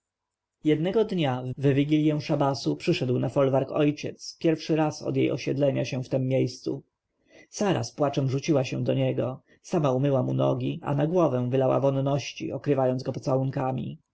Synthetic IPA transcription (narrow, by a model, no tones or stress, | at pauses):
jɛd̪nɛɡɔd̪ɲavvvʲiɡʲilʲjɛ̃w̃ʂabasupʂɘʂɛd̪wnafɔlvaɾkɔjt͡ɕɛ̰t̪spʲjɛɾfʂɘɾasɔ̰d̪jḛjʔɔ̰ɕɛd̪lɛɲaɕɛ̃ft̪ɛmːjejst̪sṵ | saɾa̰spwat͡ʂɛmʐut͡ɕiwaɕɛ̃d̪ɔɲɛɡɔ | samaumɘwamunɔ̰ɡʲia̰naɡwɔvɛ̃w̃vɘlawa̰vɔnːɔɕt͡ɕḭɔkɾɘvajɔnd̪zɡɔpɔ̥t̪sawuŋkamʲḭ